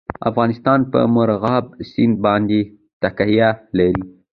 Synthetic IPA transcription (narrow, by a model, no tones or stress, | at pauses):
a̰fɣɑnɪst̪ɑnpə̰moɾaɣɑbsɪnd̪̚bɑnd̪e | t̪akhijalaɾi